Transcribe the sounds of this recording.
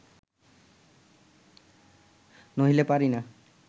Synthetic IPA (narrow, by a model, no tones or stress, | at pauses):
noɦilepaɾina